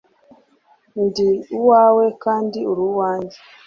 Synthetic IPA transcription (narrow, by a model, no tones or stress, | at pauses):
ndiuwawekaːndiuɾuwaːɲd͡ʒe